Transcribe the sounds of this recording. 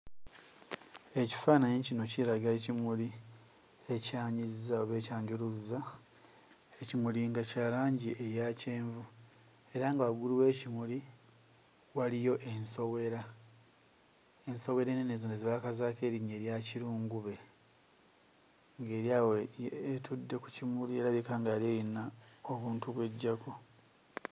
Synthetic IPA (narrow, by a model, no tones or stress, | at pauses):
e̞ci̥faːnajeɲcino̞ciɾaɡeecimuli | e̞caːɲizzaoβe̞ːcaːɲɟuɾuza | ecimuliŋɡacaːlaːɲɟiʔejace̞ːɱvu | e̞ɾaŋɡaɡuliwe̞ːcimuli | walijo̞ʔenso̞we̞ɾa | enso̞we̞ɾenenezondeziβakazaːke̞ːɾiɲeːɾjaciɾuːŋɡuβe̞ | ŋɡeɾjaweetʰudːe̞ku̥cimulie̞ɾaβikaːŋɡaːɾejinaoβuːntuβwe̞ɟːako